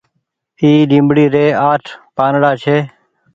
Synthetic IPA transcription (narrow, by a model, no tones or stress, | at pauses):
iːɗĩːmbɽiːɾeːaːʈʰpaːnɽaːt͡ʃʰeː